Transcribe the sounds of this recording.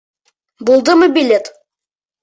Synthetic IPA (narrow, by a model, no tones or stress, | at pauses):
bulˠd̪əməbilʲet̪